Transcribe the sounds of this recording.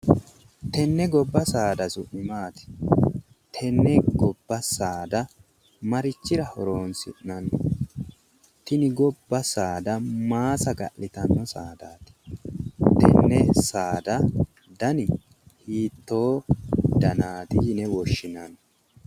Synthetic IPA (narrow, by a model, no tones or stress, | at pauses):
t̪ɛnːɛɡɔbːɐsaːd̪ɐsʊʔɪmaːt̪ɪ̥ | t̪ʰɛnːɛɡɔbːɐsaːd̪ɐ | mɐɾɪt͡ʃːɪɾɐhɔɾoːnsɪ̰ʔnɐn | t̪ɪnɪɡɔbːɐsaːd̪ɐmaːsɐɡɐ̰ʔɪt̪ɐnːɔsaːd̪aːt̪ɪ̥ | t̪ɛ̰nːɛsaːd̪ɐ | d̪ɐnɪ | hiːt̪ːo̞ːd̪ɐnaːt̪ɪnɛwɔʃːɪnɐn